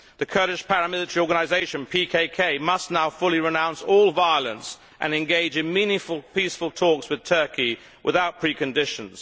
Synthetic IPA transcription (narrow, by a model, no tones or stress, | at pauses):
ðɨkʰɜ˞ɾɪʃpʰæɹəmɪlˠɨtəɹiɔːɹɡənaɪzeɪʃɨ̃npʰikʰeɪkʰeɪmʌsⁿnaʊfʊlˠiɹɨnãʊ̃nsɔlˠvaɪəlˠə̃ns | ʔɨ̰̃nɨ̃nɡeɪd͡ʒɨ̃nmĩnɪ̃ŋfəlˠpisfəlˠtʰɔˑkswɨð̥tʰɜˑ˞ki | wʔɪðaʊt̚pʰɹ̥ikɨ̃ndɪʃə̃nz̥